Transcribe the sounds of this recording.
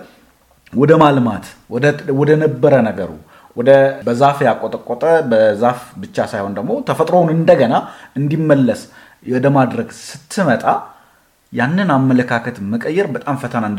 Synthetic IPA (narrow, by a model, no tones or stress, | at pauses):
wɔd̪əmalma̰t̪ɔwɔd̪ənəbːəɾənəɡə̰ɾṵ | wɔd̪əbəzafjakʼːot̪ʼəkʼːot̪ʼəbəzafbɨt͡ʃːasajho̞nd̪əɡmo̞t̪ʰəfət̪ʼɾonɨnd̪əɡənaɨnd̪imːəlːəs | ɔd̪əmad̪ɾəɡsɨt̪ʰːɨmət̪ʼa | janːɨnamːələkʰakʰət̪məkʼəjːɛɾbət̪ʼamfət̪ʰənand̪